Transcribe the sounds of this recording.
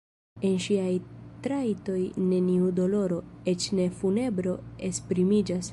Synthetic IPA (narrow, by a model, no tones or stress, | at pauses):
e̞nʃiajtɾajto̞jne̞niudo̞lo̞ɾo̞et͡ʃne̞fune̞bɾo̞e̞spɾimid͡ʒas